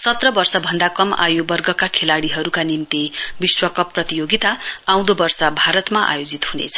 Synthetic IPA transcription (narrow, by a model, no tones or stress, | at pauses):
sʌt̪rʌbʌrsʌbʱʌnd̪akʌma̰jobʌrɡʌkakʰelaɽiɦʌɾukanimt̪ibiswʌkʌprʌt̪ijoɡit̪aaw̃d̪obʌrsʌbʱaɾʌt̪maʔa̰jod͡zit̪hunḛt͡sʰʌ̥